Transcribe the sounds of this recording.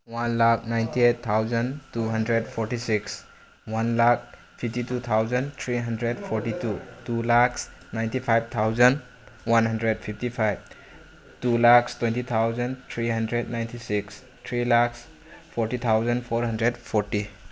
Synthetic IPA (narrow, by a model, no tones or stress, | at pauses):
wanlak̚ʰnajntiet̪ʰːawzəntuɦɐndɾedpʰɔɾtisiks | wanlak̚ | pʰip̚titut̪ʰawzənt̪ʰɾiɦandɾedpʰɔɾtitutulaksnajntipʰajb̚t̪ʰawzən | wanɦandɾed̚pʰip̚tipʰajb̚ | tulakstwentit̪ʰawzənt̪ʰɾiɦandɾed̚najntisiks | t̪ʰɾilaks | pʰɔɾtit̪ʰawzənpʰoɾɦandɾedpʰɔɾti